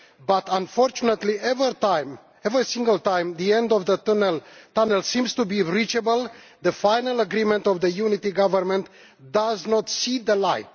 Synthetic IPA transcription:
bat̪ãnfɔɾt͡ʃunət̪liɛvət̪aɪm | ɛvɾisĩŋɡəlt̪ãjmd̪iɛ̃nd̪ɔvd̪ət̪unəlt̪anəlsĩmst̪ubiɾit͡ʃəbəl | d̪əfajnələɡɾimɛ̃nt̪ɔvd̪əjunit̪iɡavəɾmɛ̃nt̪ | d̪aznɔt̪sid̪əlaɪt̪̚

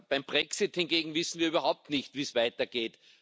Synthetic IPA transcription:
b̥aɪmb̥ʁɛksɪthɪnɡeːɡŋ̩vɪsn̩viːɐyːβɐɦaʊp̚tnɪçtviːsvaɪtɐɡ̥eːt

